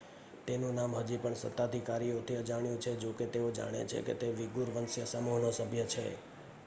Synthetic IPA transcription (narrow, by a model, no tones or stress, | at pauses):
t̪enũnamɦəd͡ʒipəɳsə̰t̪ːad̪ʱikaɾijot̪ʰiəd͡ʒaɽ̃jũt͡ʃʰed͡ʒoket̪eod͡ʒa̰ɽ̃ḛt͡ʃʰḛkḛt̪eʋiɡuɾʋənsjəsəmoɦnosəbʱjət͡ʃʰḛ